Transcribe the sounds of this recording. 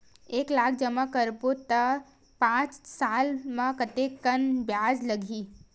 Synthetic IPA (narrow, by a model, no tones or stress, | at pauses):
eːklaːk̚ʰd͡ʒəmakəɾbot̪ə | pãːt͡ʃsaːlmãkət̪ekːənbjaːd͡ʒləɡʱiː